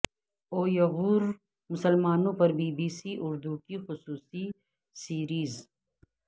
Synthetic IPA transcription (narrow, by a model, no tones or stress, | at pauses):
oːjɐɣuːɾ | mʊsəlmaːnõpɐɾbiːbiːsiʔʊɾd̪ukixʊsuːsi | siːɾiːz